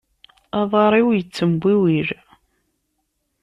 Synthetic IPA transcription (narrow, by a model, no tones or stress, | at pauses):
ɑðˤɑɾˤiwjət͡sːəmbʷːiwiɾ